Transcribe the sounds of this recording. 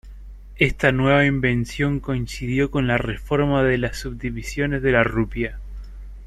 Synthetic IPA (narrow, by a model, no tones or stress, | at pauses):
est̪anwe̞β̞aimbe̞nsjo̞ŋko̞insiðjo̞ko̞nlare̞fo̞ɾmaðe̞lasːuβ̚d̪iβisjo̞nezðe̞larupja